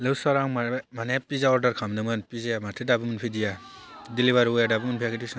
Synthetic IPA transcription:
lɯwsaɾaŋmamanepizaɔɾdaɾkʰamdɯmɯnpizajamatʰedabɯmɯnpʰidija | diliβaɾjadabɯmɯnpʰijaɡidisɯ

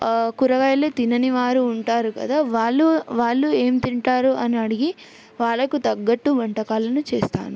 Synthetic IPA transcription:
kuɾɐɡɐjleːt̪inɐniʋaːɾuːɳʈaːɾukɐ̰d̪aːʋaːɭːuʋaːɭːue̞ːmt̪iɳʈaːɾuʔɐniɐɽiɡi | ʋaːɭːɐkut̪ɐɡːɐʈːuʋɐɳʈɐkaːlɐnut͡ʃeːst̪a̰ːnu

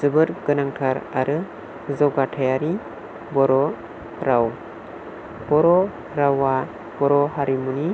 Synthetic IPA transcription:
zɯbɯɾɡɯnaŋtʰaɾaɾɯ | zɔɡatʰajaɾi | bɔɾɔ | ɾaw | b̥ɔɾɔ | ɾawa | b̥ɔɾɔɦaɾimuni

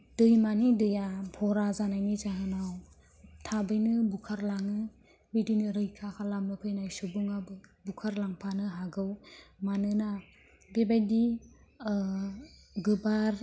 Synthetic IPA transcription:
d̥ɯjmanidɯjapʰɔɾazanajnizaɦɯnaw | tʰabɯjnɯbukʰaɾlaŋɯ | bidinɯɾɯjkʰakʰalamnɯpʰɯjnajsubɯŋabɯbukʰaɾlaŋpʰanɯɦaɡɯwmanɯna | bebajdi | ɡɯbaɾ

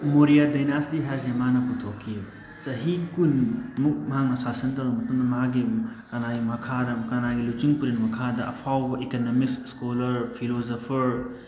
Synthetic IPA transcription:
moɾijadajnastiɦɛsemanɐputʰokʰːi | t͡ʃɐɦikunmuk̚mɐɦaŋnɐsasɐntɐwɐmɐtuŋdɐmɐɦakɡikɐnaɡimɐkʰadɐkanaɡilut͡ʃiŋpuɾenmɐkʰadɐʔɐ̰pʰawbɐʔekonomik̚sskolɐɾpʰilozopʰɐɾ

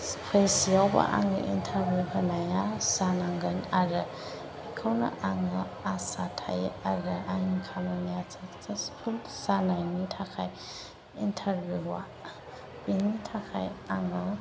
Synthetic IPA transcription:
spʰajsijawba̰ʔa̰ŋɯ̰ʔḭntʰaɾbjuɦanajasanaŋɡənaɾɯ | ikʰawna̰ʔaŋɯasatʰa̰jaɾɯʔaŋikʰamanijat͡sat͡saspʰulsanajnitʰakʰaj | intʰaɾbuwa | pinitʰakʰa̰jaŋɯ

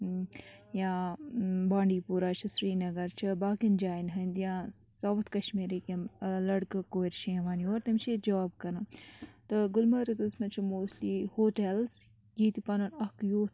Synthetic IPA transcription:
jãː | baːɳɖiːpuɾaːt͡ʃʰɐsɾiːnɐɡɐɾt͡ʃʰɐbaːkind͡ʒaːinɦɐnd̪jãː | sɐʋɐt̪ʰkɐʃmiːɾikɐmlɐɽkɨkoːɾʃẽʋaːnioːɾt̪ɐmt͡ʃʰid͡ʒɐʋaːbkɐnat̪ɨɡʊlmɐɾɨksmɐt͡ʃʰimoːslihoːʈels | ɡiːt̪ipɐnɐnɐkjoːt̪

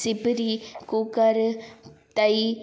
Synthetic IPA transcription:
sɪpɾikukɐɾt̪ɐj

